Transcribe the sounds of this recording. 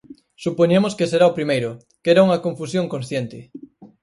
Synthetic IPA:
supoɲemoskeseɾaopɾimejɾʊ | keɾauŋɐkoɱfusjoŋkonsθjent̪ɪ

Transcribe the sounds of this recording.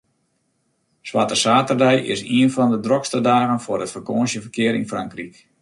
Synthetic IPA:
swatəsaːtərdɛjʔɪ̰siənfɔndədrokstədaːɣənfʊrətfərkoːnsjəfərkɪəɾḭnfraŋkrik

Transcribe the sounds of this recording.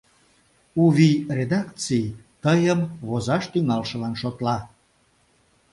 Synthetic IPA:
uβired̪ɑkt͡sijt̪əjəmβozɑʃt̪yŋɑlʃə̆lɑnʃot̪lɑ

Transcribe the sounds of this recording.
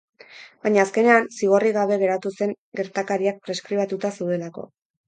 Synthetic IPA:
baɲaːske̞ne̞ansiɣ̞o̞riɣaβ̞e̞ɣe̞ɾat̪use̞ŋ | ɡe̞ɾt̪akaɾiak̚pɾe̞skɾiβat̪ut̪asewðe̞lako̞̰

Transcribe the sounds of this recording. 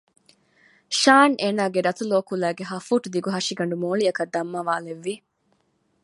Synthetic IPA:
ʃaːnʔeːnaːɡeɾɐt̪uloːkulæːɡeɦɐfuːʈud̪iɡuɦɐʂiɡɐɳɖumoːɭiɐkɐd̪ːɐmːaʋaːleʋːi

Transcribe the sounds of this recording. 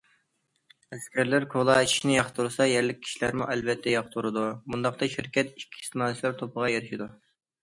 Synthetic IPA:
ɛskʲʰæɾlɪɾkʰolˠɑt͡ʃʰi̥ʃnɪjɑχt̪ʰuɾɨsɑjɛɾlɪk̚ʲʰːi̥ʃilæɾmuʔɛlvɛt̪ʰːɛjɑχt̪ʰuɾɨd̪umund̪ɑqt̪ɑʃiɾkʲʰɛt̪i̥kʲʰːi̥st̪ɨmɑːlɨt͡ʃʰlˠɑɾt̪ʰopʰəʁɑjeɾɪʃid̪u

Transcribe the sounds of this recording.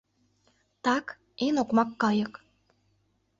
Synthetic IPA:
t̪ɑk | enokmɑkːɑjə̆k

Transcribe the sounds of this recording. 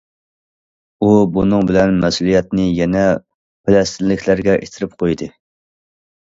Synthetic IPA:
ubunɨŋbɪlɛnmɛsulˠijɛt̪nɪjɛnɛ | pɪlɛst̪ʰɪnlːɪkʲʰlæɾɡʲɛʔet̪ʰɪɾɪp̚qʰojd̪ɨ

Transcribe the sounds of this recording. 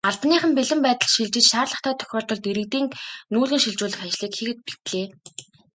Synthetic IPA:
aɮp̪niːχə̆mpeɮɘ̆mpæːt̪ə̆ɮʃiɮt͡ɕɪ̆t͡ɕʃaːrɮə̆χt̪ʰæːt̪ʰœ̥xʲɔːɮt̪ɞ̆ɮt̪iɾɘ̆kt̪iːŋnuːɮɣɘ̆ŋʃiɮt͡ɕʊːɮə̆χat͡ɕɮiːkxiɣɘ̆t̪̚pi̥t̪ɮeː

